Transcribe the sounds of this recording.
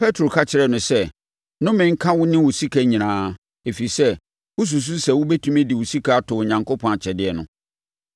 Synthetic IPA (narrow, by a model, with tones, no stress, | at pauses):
pʰɛ˦tʰo˨kʰa˦t͡ɕʰɪ˨ɾɛ˨nʊ̃˨sɛ˦ | nʊ̃˦mɪ̃˦ŋ̩˦kʰã˦wʊ˦nɪ̃˦wʊ˨si˦kʰæ˦ɲĩ˨nãː˨˦ | e˨fi˨i˨sɛ˦ | wʊ˦s̬u˨s̬u˦sɛ˨wʊ˦bɛ˦tʰũ˦me˦dɪ˨wʊ˨si˦kʰa˦a˦tʰʊ˨ɲã˨ŋko˦pʰɔ̃˦na˨t͡ɕʰɛ˨dɪ˦ɛ˨nʊ̰̃˨